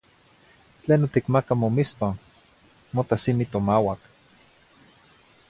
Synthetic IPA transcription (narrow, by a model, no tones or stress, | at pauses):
t͡ɬeːnot̪ikmakamomist̪o | mot̪asimit̪omawak